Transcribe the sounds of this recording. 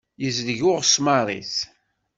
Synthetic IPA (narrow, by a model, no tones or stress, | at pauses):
jəzðʝʊʁsmɑrˤḭθ